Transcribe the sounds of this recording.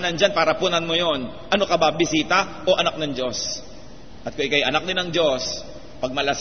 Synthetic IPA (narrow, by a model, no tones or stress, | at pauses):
nɐnd͡ʒanpaːɾɐpʊnɐnmojo̞n | ʔɐno̞kɐbabɪsiːt̪ɐ | ʔo̞ʔɐnak̚nɐŋd͡ʒo̞s | ʔɐt̪kʊŋʔɪkajʔɐnak̚d̪ɪnɐŋd͡ʒo̞s | pɐɡ̚mɐlɐs